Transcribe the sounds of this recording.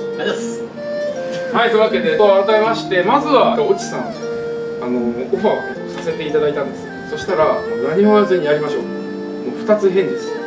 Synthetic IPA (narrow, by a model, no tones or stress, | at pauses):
aes | hait̪oiɯβake̞d̪e̞t̪oaɾat̪aemaɕi̥t̪e̞mazɨβaao̞t͡ɕi̥sã | ano̞oɸaː | sase̞t̪e̞it̪ad̪ait̪ãnd̪e̞sɨ̥ | so̞ɕi̥t̪aɾanaɲ̟imoβazẽɲ̟ːiaɾʲimaɕo̞̰ː | moɸɯ̟̥t̪at͡sɨɦẽ̞nd̪esɨ̥